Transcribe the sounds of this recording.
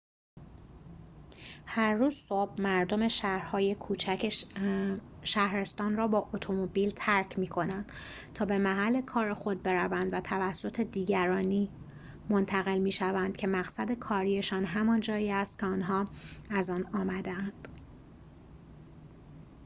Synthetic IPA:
hæɾːuːz̥sob̥̚mæɾd̪o̞me̞ʃɾhɒːje̞kʰuːt͡ʃʰ | ʃæhɾe̞st̪ɒːnrɒːbɒːʔot̪ʰo̞mobiːlt̪ʰæɾcʰmiːkʰo̞nænd̪̥t̪ʰɒːbe̞mæɦælːe̞kʰɒːɾexo̞d̪̚be̞ɾævænd̪væt̪ʰævæsːot̪ʰe̞d̪iːɟæɾɒːniː | mont̪ʰæɣe̞lmiːʃævænd̪̥cʰe̞mæɣsæd̪e̞kʰɒːɾije̞ʃɒːnɦæmɒnd͡ʒɒːjiːæst̪̚kcʰeɒːnɦɒːæzɒːnɒːmæd̪eænd̪̥

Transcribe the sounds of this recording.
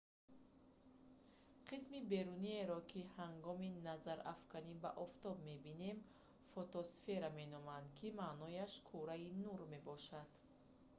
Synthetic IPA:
qʰismibe̞ɾunie̞ɾɔkʰihaŋɡɔminazaɾa̰fkaniba̰ʔɔft̪ɔbme̞bine̞m | fɔt̪ɔsfe̞ɾame̞nɔmand̪kʰimaːnɔjaʃkʰuɾainuɾme̞bɔʃad̪̥

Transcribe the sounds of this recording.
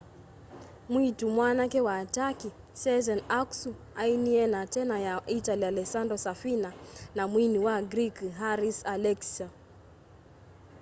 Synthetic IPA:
mwitumwanakɛwaːtaki | sɛzɛnaksu | ainiɛnatɛnajaitalialɛksandɔsafinanamwiniwaɡɾikɦaɾisalɛksa

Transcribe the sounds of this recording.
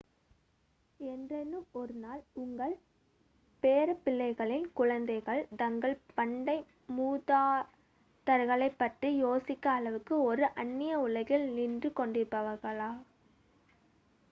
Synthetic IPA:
ɛndrɐnːɯmɔɾɯnaːlʊŋɡɐɭ | peːɾɐpːɪlːɐɪɣɐɭɪnkʊɻɐnd̪ɐɪɣɐɭt̪ɐŋɡɐɭpɐɳɖɐɪ | muːðaː | t̪ɐɾɣɐɭɐɪpːɐʈrijoːsɪkːɐːɭɐʋɯkːɯɔɾɯʔɐnːɪjɐʊlɐɣɪlnindrɯkɔɳɖɪɾɯpːɐʋɐɾɣɐɭaː

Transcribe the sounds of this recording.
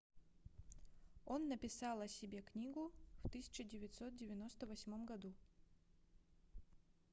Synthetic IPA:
onːəpʲɪsɑlˠɐsʲɪbʲe̞knʲiɡʊft̪ɨsʲɪ̥t͡ɕɪdʲɪvʲɪt̪ʲsot̪̚dʲɪvʲɪno̞st̪əvɐsʲmomɡɐd̪u

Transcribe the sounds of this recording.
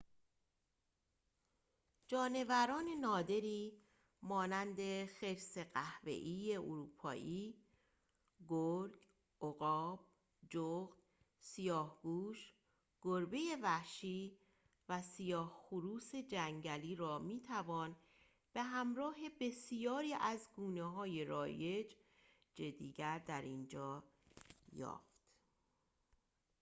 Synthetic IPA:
d͡ʒɒːne̞væɾɒːne̞nɒːd̪e̞ɾiː | mɒːnænd̪e̞xe̞ɾse̞ɢæhvḛʔiːje̞ʔoɾuːpʰɒ̰ːʔiː | ɡoɾɡ | ʔoɣɒːb̥ | d͡ʒoɣd̪ | sijɒːhɡuːʃ | ɡ̥oɾbeje̞væʃiː | væsijɒːhxuɾuːse̞d͡ʒæŋɟæliːɾɒːmiːt̪ʰævɒːn | b̥e̞ɦæmɾɒːɦe̞be̞sijɒːɾiːʔæzɡuːneɦɒːje̞ɾɒːje̞d͡ʒ | d͡ʒed̪ːiːɟæɾd̪æɾind͡ʒɒː | jɒ̰ːft̪

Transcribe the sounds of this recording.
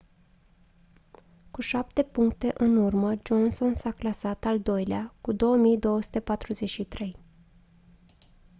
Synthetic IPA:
kuʃap̚t̪e̞puŋk̚t̪e̞ʔɨnurməd͡ʒo̞nso̞nsaklasat̪ald̪o̞jleakud̪o̞wəmijd̪o̞wəsu̥t̪e̞pat̪ɾuze̞t͡ʃʃit̪ɾe̞j

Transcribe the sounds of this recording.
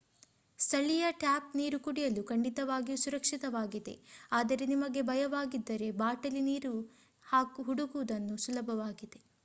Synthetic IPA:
st̪ʰɐɭijɐʈaːpniːɾukuɽijɐlukɐɳɖit̪ɐʋaːɡijusuɾɐkʂit̪ɐʋaːɡid̪e̞̰aːd̪ɐɾe̞nimɐɡe̞bʱɐjɐʋaːɡid̪ːɐɾe̞baːʈɐliniːɾu | haːkuɦuɽuɡuʋud̪ɐnːusulɐbʱɐʋaːɡid̪e̞

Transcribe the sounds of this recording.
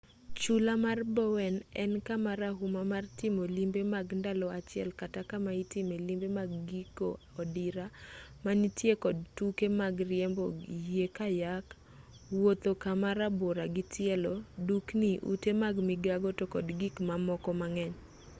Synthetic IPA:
t͡ʃulamarbɔwɛnɛnkamaɾaɦumamartɪmolimbemaɡndalɔat͡ʃɪɛ̰lkatakamaitɪmelimbemaɡːiko̰ | ɔdiɾamanitjekɔd̚tukemaɡrɪɛmbɔekajak | wot̪okamaɾaboɾaɡitɪɛlɔdukniʔṵtemaɡmiɡaɡɔtokɔdɡikmamɔkɔmaŋɛɲ

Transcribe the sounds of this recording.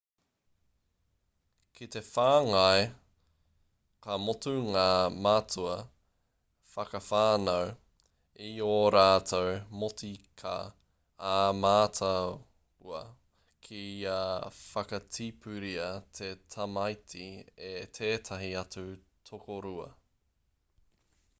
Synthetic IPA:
kʰit̪e̞faːŋɐe | kɐmotuŋaːmatuɐ | fɐkɐfaːnow | ioɾaːtʰowmotikʰa̰ | aːmaːtʰɐ | uɐ | kʰiiaːfɐkɐt͡sʰipʰʉɾiɐt̪ʰetʰɐmɐjtʰiet̪ʰeːt̪ʰɐɦiɐt͡su | tʰokoɾuɐ̰

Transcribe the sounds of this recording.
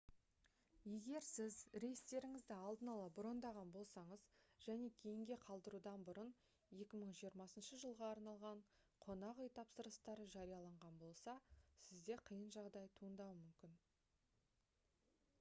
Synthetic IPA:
je̞ɡʲe̞ɾsɪzɾe̞jst̪e̞ɾɪŋɪzd̪ɪɑlˠd̪ənɑlˠɑbɾo̞nd̪ɑʁɑnbo̞lˠsɑɴəzʒ̥æne̞kʲʰe̞jɪŋɡʲe̞qʰɑlˠd̪əɾud̪ɑnbʊɾən | je̞kʲɪməɴʒijəɾmɑsənʃəʒəlˠʁɑːɾnɑlˠʁɑɴ | qʰo̞nɑʁʏjt̪ʰɑpsəɾəst̪ɑɾəʒɑɾijɑlˠɑɴʁɑnbo̞lˠsɑsɪzd̪e̞qʰəjənʒɑʁd̪ɑjt̪ʰuənd̪ɑwəmʏmkʲɪn

